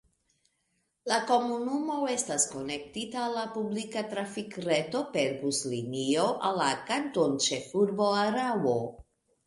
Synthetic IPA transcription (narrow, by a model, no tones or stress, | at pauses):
lako̞munumo̞e̞stasko̞ne̞k̚titaːlːapublikatɾafikɾeto̞pe̞ɾbuslinioʔalːakantont͡ʃe̞fuɾbo̞aɾabo̞